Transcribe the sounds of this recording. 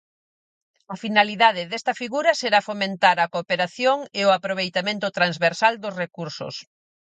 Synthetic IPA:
ɐfinaliðað̞ɪðɛst̪ɐfiɣuɾɐseɾafomẽnt̪aɾɐkopeɾaθjoŋeʊapɾoβ̞ejt̪amẽnt̪ʊt̪ɾanzβeɾsald̪ʊsrekuɾsʊ̰s

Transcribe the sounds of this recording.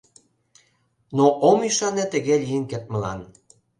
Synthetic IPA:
noʔomiʃɑnet̪ə̆ɣelijənket̪̚mə̆lɑ̰n

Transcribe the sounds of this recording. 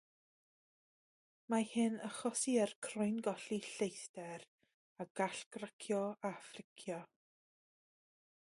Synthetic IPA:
mahɪnəχɔsiərkʰrʊjnɡɔɬiɬejθtɛɾ | aɡ̥aɬɡ̥rakʰjɔafrɪkʰjɔ

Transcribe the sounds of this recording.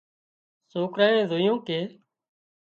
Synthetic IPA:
soːkɾaːẽːzoːjõːkeː

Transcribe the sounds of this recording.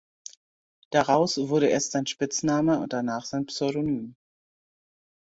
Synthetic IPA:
d̥aʁaʊsv̥ʊɐɾəʔḛːɐstz̥aɪnʃpɪt͡snaːməʊ̰nt̚d̥anaːχz̥aɪnpsɔʏɾonyːm

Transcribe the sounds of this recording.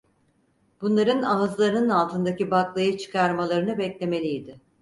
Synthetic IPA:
b̥unlˠaɾɯnaɯzlˠaɾɯnɯnalˠt̪ʰɯnd̪acibaklˠajat͡ʃʰɯ̥kʰaɾmalˠaɾɯnɯbɛclʲe̞me̞lʲijːd̪ɪ

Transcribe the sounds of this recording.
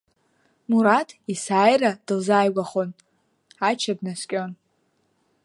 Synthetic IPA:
muɾatʰʼisaːjrad̥ɨlzajɡʷaχon | at͡ʃʰabnaskʲʼo̞n

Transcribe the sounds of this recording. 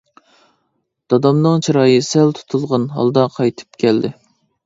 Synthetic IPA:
d̪̥ɑd̪ɑmnɨŋt͡ʃʰiɾɑːjɨsælt̪ʰu̥t̪ʰulˠʁɑnɦɑ̰lˠd̪ɑqʰɑjt̪ʰɨ̥pkʲʰɛld̪ɪ

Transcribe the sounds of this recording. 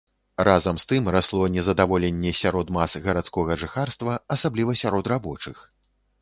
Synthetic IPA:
razɐmst̪ɨmraslˠɔnʲɛzɐd̪avɔlʲɛnʲːɛsʲaɾɔd̪masɣɐɾat̪skɔɣɐʐɨxarst̪vɐɐsablʲivɐsʲaɾɔt̪rabɔt͡ʂɨx

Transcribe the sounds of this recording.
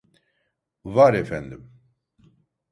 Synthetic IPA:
vaɾɛfɛnd̪ɨm

